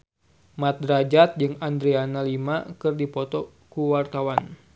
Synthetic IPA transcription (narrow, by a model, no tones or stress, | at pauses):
mat̪̚ɾad͡ʒat̪̚d͡ʒɨŋand̪ɾianalimakɨrdipɔt̪ɔ | kuwart̪awan